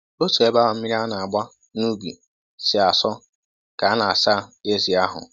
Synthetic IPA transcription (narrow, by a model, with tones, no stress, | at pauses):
o˦su˨e˨˦ba˦a˨m̩˦i˦ɾi˦a˦na˨a˨ɡ͡bʷa˦ | nu˦ɡḭ˨ | sɪ˨a˨sɔ˦ | ka˨a˦na˨a˨sa˦˨e˦zi˨a˦ɦʊ̰˨